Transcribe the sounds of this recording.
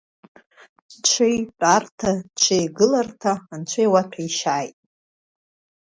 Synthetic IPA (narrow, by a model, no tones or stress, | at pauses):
t͡ʃʷʰejpʼartʰat͡ʃʷʰejɡɨlartʰaːnt͡ʃʷʰajwatʰʲaiʃaːjtʼ